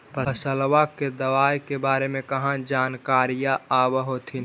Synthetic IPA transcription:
pəsəlʋaked̪əʋaːjkebaːɾemẽkɐɦãd͡ʒaːnkaːɾijaaːʋɦot̪ʰin

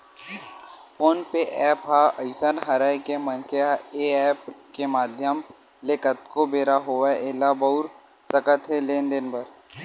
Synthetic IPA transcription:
poːnpeʔɛːpɦaəɪsənɦəɾajkemənkeaeːɛːpkemaːd̪ʱjəm | lekət̪kobeːɾaɦoːʋaʔelabəʊɾ | səkət̪ɦɛleːnd̪ɪnpəɾ

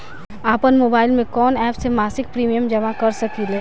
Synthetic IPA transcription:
aːpənmoːbaːɪlmẽkɔːnɛːpsemaːsɪk̚pɾiːmijəmd͡ʒɐmakɐɾsɐkileː

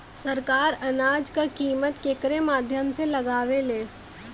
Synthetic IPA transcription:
sɐɾkaːɾɐnaːd͡ʒkakiːmət̪keːkɾemaːd̪ʱjəmselɐɡaːʋeleː

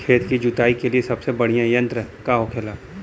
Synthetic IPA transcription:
kʰeːt̪kid͡ʒʊt̪aːikeliesɐbsebɐɽijãjɐ̃nt̪ɾəkaɦokʰelaː

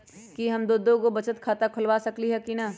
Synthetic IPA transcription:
kiɦɐmd̪oːd̪õkobɐt͡ʃət̪kʰaːt̪akʰʊlʋasɐkliɦɛkinɐ

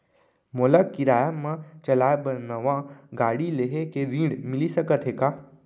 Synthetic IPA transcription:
molakiɾaːjamãt͡ʃɐlaːebəɾnəʋãɡaːɽileɦekeɾĩːɖmɪlisɐkət̪ʰɦekaː

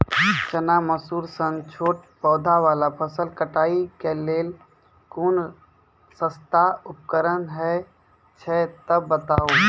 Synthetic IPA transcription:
t͡ʃənaməsuːɾsənt͡ʃʰoːʈ̚pɔːd̪ʱaʋaːlapʰəsəlkəʈaːikeleːl | kuːn | səst̪aʊp̚kəɾənɦɛ | t͡ʃʰɛt̪əbːət̪aːoː

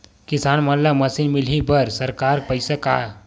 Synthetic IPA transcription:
kisanmənlaməsinmilɦibəɾsəɾkaɾpəjsaka

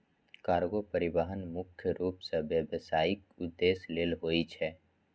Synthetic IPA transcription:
kaːɾɡopəɾɪbaɦənmʊkʰjəɾuːpseʋjəʋəsaːɪkʊd̪ːeːsleːlɦoːit͡ʃʰɛː

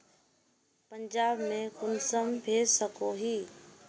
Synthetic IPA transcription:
pə̃ɲd͡ʑaːbmẽkʊnsəmbʱeːsəkʰoɦiː

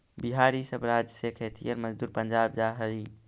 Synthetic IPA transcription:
biɦaɾisəbɾad͡ʒəsekʰɛt̪ʰḭɔɾməd͡ʒd̪uɾpənd͡ʒabd͡ʒaɦəɾi

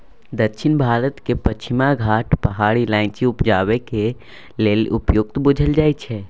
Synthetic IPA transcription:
d̪əkʃʰɪnbʱaːɾət̪kepət͡ʃʰɪmaɡʱaːʈpɐɦaːɽilãːɪ̃t͡ʃiʊpd͡ʒaːʋeke | leːlʊpjoːɡ̚t̪bʊd͡ʒʱəld͡ʒaːit͡ʃʰɛ

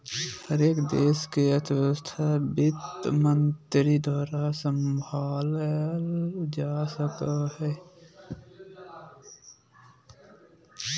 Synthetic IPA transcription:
həɾeːkd̪eːskeət̪ʰwəst̪ʰabɪt̪mənt̪ɾid̪aːɾasə̃mbʱaːlld͡ʒaːsəkaɦɛː

